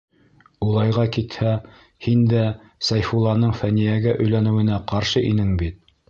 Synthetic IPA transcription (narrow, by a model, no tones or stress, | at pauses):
ulˠɑjʁɑkit̪hæ | hind̪æ | sæjfulˠɑnɤɴfænijæɡæʔɵ̆jlænɘ̆wɘ̆næqɑɾʃɤʔinɘŋbit̪̚